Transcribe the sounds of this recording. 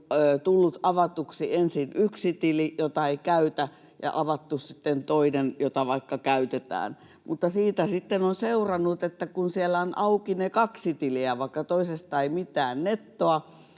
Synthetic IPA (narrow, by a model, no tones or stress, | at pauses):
øt̪ulːut̪ɑʋɑt̪uksiensinyksit̪ilijot̪ɑeikæyt̪æ | jɑ̰ʔɑʋɑt̪ːussit̪ːent̪oinenjot̪ɑʋɑikːɑkæyt̪et̪æ̰ːn | mut̪ːɑsiːt̪æsit̪ːenonseurɑnːut̪et̪ːækunsielːæonʔɑukinekɑksit̪iliæʋɑikːɑt̪oisest̪ɑeimit̪ˑæːnnet̪ːoɑ